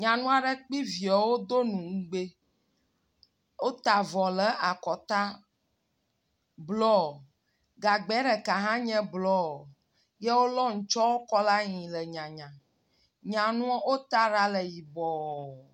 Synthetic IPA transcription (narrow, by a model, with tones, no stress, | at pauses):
ɲã˨nũ˦a˨ɖɛ˦k͡pi˦vi˨ɛ˨wo˦d̪o˦nũ˨ŋ̩˦ɡ͡be˦ | wo˦t̪a˨vɔ˨lɛ˦a˨kɔ˨t̪a˦ | blɔ˦˨ | ɡa˨ɡ͡bɛ˨˦ɖɛ˨ka˨ɦã˦ɲɛ̃˦blɔ˦˨ | je˦wo˦lɔ˦ŋ̩˨˦t͡ʃɔ˦wo˦kɔ˦la˦ɲĩ˨lɛ˨ɲã˨ɲã˨ | ɲã˨nũ˦o˦wo˦t̪a˦ɾa˦lɛ˨ji˨bɔ˨